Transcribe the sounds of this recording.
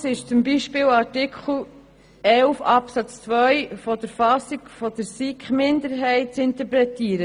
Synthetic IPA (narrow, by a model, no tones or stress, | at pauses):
sɪʃt͡sʊmbiːʃpɪːlɑɾtɪkʰχl̩ | ɛlfɑpsɑt͡st͡sʋœʏfɔd̥əɾfɑsikfɔd̥əɾsikχmɪndəɾɦɛɪt̚t͡sɪntəɾpɾɛtiːɾə